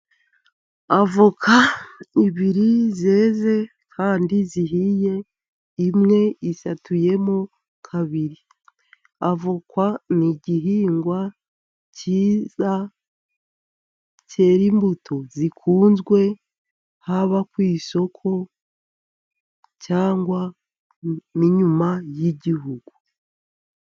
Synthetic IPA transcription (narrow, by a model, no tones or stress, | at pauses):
avokʰaiβiɾizeːze̞ | kʰaːndiziɦije̞ | imŋe̞isatʰuje̞mo | kʰaβiɾi | avokwaniɟiɦiːŋɡwa | ciːza | ce̞ːɾimbutʰo̞zikʰuːnzɡwe̞ | haβakwiːso̞kʰo̞ | caːŋɡwa | niɲumajiɟiɦuɡu